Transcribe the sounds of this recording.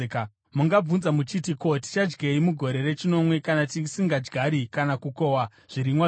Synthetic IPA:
muŋɡab͡vunzamut͡ʃitiko̞ti̥t͡ʃad͡ʒɡeimuɡʱo̞ɾe̞re̞t͡ʃino̞mwe̞kanat̬isiŋɡad͡ʒɡʱaɾikanakuko̞wa | ʐ̥iɾimwa

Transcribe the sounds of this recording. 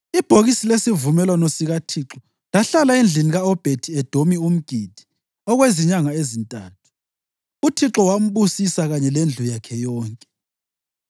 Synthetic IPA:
ib̥ʱoɣisilesivumɛlwanɔsiɣatʰiǁɔ | laɬalaind͡ɮʱiniɣaɔb̥ʱetʰiɛd̥ʱomium̩ɡ̥ʱid̥ʱi̥ | ɔɣweziɲaŋaezintʼaːtʰu̥ | utʰiǁɔwam̩βusisaɣaɲɛlend͡ɮʱujakʰɛjɔːŋkʼɛ

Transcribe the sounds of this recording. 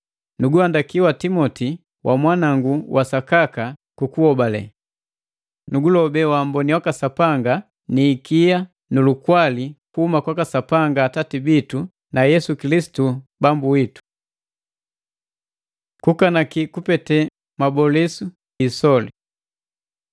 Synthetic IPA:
nuɡuandakiwatimɔti | wʔa̰mwanaŋɡuwʔasakakakukuɔbalɛ̰ | nuɡulɔbɛwambɔniwakasapaŋɡa | niːkija | nulukwalikuhumakwakasapaŋɡaːtatibitu | najɛsukilisi̥tubambuwitu̥ | kukanakikupɛtɛ | mabɔlɛsu | isɔli

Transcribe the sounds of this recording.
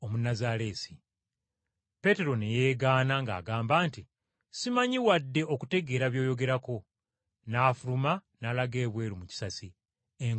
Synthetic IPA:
omunazaɾe̞ːsi̥ | pe̞ːte̞ɾo̞neje̞ːɡaːnaŋɡa̰ːɡaːmbaːnti | simaɲiwadːe̞ʔo̞kute̞ɡe̞ːɾaβjo̞ːjo̞ɡe̞ɾako̞ | naːfuɾumanaːlaɡe̞ːβwe̞ːɾumuci̥sasi | eŋ

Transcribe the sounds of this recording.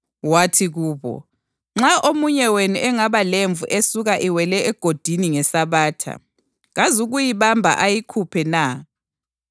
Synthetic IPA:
watʰiɣuːβɔ̰ | ŋ͡ǁaʔomuɲɛwenuʔɛŋaβaleɱvuʔesuɣaʔiwɛlɛɛɡ̥ʱod̥ʱiniŋɛsaβaːtʰa̰ | ɣazuɣujiβambʱa̰ʔajikʰupʰɛna

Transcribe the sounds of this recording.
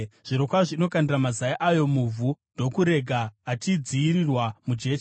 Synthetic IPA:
ʐ̥iɾo̞kwaʐino̞kandiramazaiʔajo̞muvʱundo̞kuɾe̞ɡʱaːtid͡ziːɾirwamud͡ʒe̞ːʃ

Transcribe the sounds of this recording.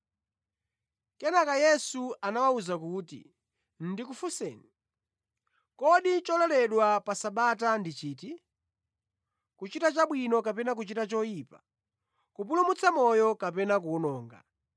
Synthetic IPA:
kɛnakajɛsuʔanawauzakuːtḭ | n̩dik̬ufusɛ̰ːni | kɔɗit͡ʃɔlɛlɛɗwapasaɓatandit͡ʃiːti | kut͡ʃitat͡ʃaɓwinɔkapɛnak̬ut͡ʃitat͡ʃɔjiːpḁ | kup̬ulumut͡sʰamɔjɔkapɛnak̬unɔːŋɡa̰

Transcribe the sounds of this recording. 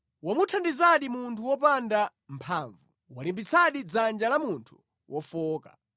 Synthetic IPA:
wamutʰandizaɗimuntʰuwɔpanda | mpʰaːɱvu | walimbit͡sʰaɗid͡zand͡ʒalamuntʰu̥ | wʔɔfɔːka̰

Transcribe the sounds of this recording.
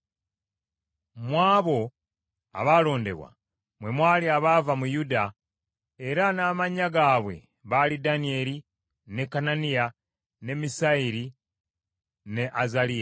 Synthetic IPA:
mwaːβo̞ | a̰βaːlo̞ːnde̞̰βwa̰ | mwe̞mwaːliaβaːvamujuda | eɾanaːmaɲaɡaːβwe̞̰ | βalidanie̞li | ne̞kːananija | ne̞misaiɾi | ne̞ʔazalija

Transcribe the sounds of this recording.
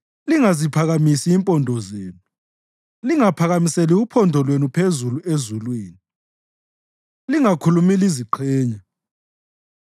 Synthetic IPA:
liŋazipʰaɣamisiːmpʼɔndʱɔzeːnu | liŋapʰaɣamiseliupʰɔndʱɔlwenupʰezuluezulwiːni | liŋakʰulumiliziǃʰɛːɲa

